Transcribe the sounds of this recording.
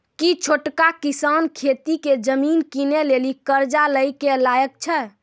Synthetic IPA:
kit͡ʃʰoʈkakisankʰet̪iked͡ʒəminkinelelikəɾd͡ʒaləjkelajək̚t͡ʃʰɛ

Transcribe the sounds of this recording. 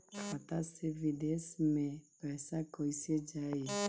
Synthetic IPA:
kʰat̪asevidesmepɛsakɔised͡ʒae

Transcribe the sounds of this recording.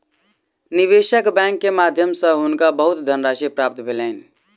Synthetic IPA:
niʋeʃəkbɛ̃ŋkːemad̪ʱjəmsə̃ɦunkabəɦut̪d̪ʱənɾasipɾap̚t̪bʱeləɪn

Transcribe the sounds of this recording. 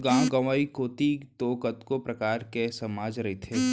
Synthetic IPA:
ɡãːɡɐʋaːikoːt̪it̪oːkət̪kopɾɐkaːɾkɛsɐmaːd͡ʒɾɐɦit̪ʰeː

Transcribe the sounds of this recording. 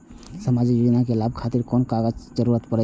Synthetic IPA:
səmad͡ʒikjud͡ʒnakelab̚kʰat̪iɾkonkaɡəd͡ʒd͡ʒəɾuɾət̪pəɾɛ

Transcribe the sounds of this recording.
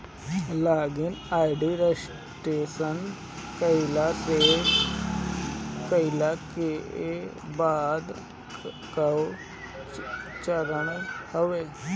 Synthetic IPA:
laːɡɪnaːiɖiːɾɛs | ʈeːsən | kəilaːt̪eː | kəilaːke | baːd̪ | kəo | t͡ʃəɾəɳhoʋeː

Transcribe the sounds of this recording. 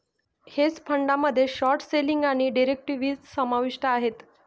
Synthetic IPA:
het͡spʰəɳɖaməd̪ʱːjeɕɔɾʈseliŋɡaɽ̃iɖiɾek̚ʈiʋiːt͡ssəmaʋiʂʈəaɦet̪

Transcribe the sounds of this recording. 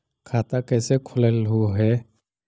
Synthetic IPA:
kʰaːt̪akɛːsekʰʊlelɦuɦɛ

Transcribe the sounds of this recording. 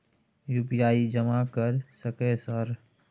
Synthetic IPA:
juːpijaːid͡ʒəmakəɾsəkesəɾ

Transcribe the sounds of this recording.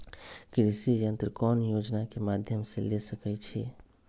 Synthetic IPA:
kɾisijənt̪ɾəkɔnjod͡ʒnakemad̪ʱjəmselesəkɛt͡ʃʰḭ

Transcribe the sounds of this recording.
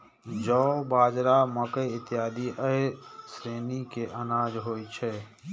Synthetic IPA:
d͡ʒɔːbaːd͡ʒɾaməkəjɪt̪jaːd̪iʔəesɾeːnikeʔənaːd͡ʒɦoːit͡ʃʰɛ

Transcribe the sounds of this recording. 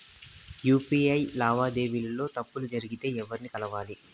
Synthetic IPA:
juːpiːɐjlaːʋaːd̪e̞ːʋilɐlo̞ːt̪ɐpːulud͡ʒɐɾiɡit̪e̞ːɛʋːɐɾnikɐlɐʋaːli

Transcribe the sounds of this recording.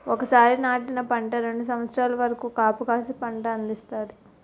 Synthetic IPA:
ɔkɐsaːɾinaːʈinɐpɐɳʈɐɾe̞ɳɖus̬ɐʋɐt̪sɾaːlɐʋɐɾɐkuːkaːpukaːsipɐɳʈɐɐnd̪ist̪aːɾi

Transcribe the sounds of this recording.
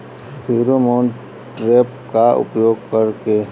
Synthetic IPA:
pʰiːɾomoːn | ʈɾeːp̚kaʊ̰pjoːɡkəɾke

